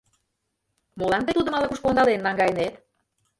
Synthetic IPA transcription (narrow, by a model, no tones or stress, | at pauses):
molɑnt̪et̪ud̪əmɑlɑkuʃkond̪ɑlenːɑŋɡɑjənet̪